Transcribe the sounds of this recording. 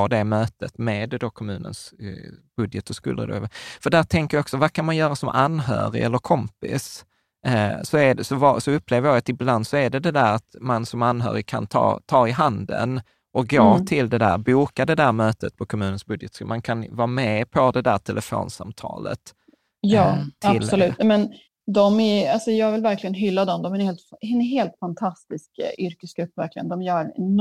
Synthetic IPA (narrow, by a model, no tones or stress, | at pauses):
ɔd̪ɛmøːt̪ət̪med̪d̪okʰɔmʉ̟ːnə̰nsb̥ɵd̪jət̪əskʉ̰ːlə̰d̪o̰fœɖæʈ̪ʰɛŋkəɾjɔksɔvakʰanmanjœːɾasɔmʔanɦœ̰ːɾɪ̰ɛlːəɾkʰɔmpɪ̰s | sɔæɖɛsɔvɑsɔɵpːleːvɾjɑːɡat̪ɪbland̪sɔæɖɛd̪ɛd̪æːɾat̪mansɔmanːɦœ̰ːɾɪkʰa̰nt̪ʰɑ̰ːt̪ʰɑːɪɦand̪ə̰n | ʔɔk̚ɡoːt̪ʰɪld̪ɛd̪æ̰ːɾbuːkad̪ɛd̪æɾmøːt̪ət̪̚pʰɔkʰɔmʉ̟ːnənsbɵd̪jɛt̪sʉ̰ːmankʰanvɑːmɛpʰɔd̪ɛd̪æːʈʰɛlʔɛfo̰ːnsa̰mt̪ʰɑ̰ːlə̰t̪ | jɑːt̪ʰaɪlsɔlʉ̟ːt̪mɛn | d̪ɔmæɾalsɔjɑːɡvɪlvæɾklɪɡənɦʏlːad̪ɔmd̪ɔmænheːlt̪ɛɦeːlt̪fant̪ʰast̪ɪskʔʏɾkəsɡ̥ɾɵpːvæɾklɪɡənd̪ɔmjœːɾ